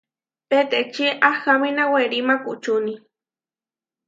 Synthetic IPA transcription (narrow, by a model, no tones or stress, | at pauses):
pet̪et͡ʃiʔaxaminaweɾimakut͡ʃuni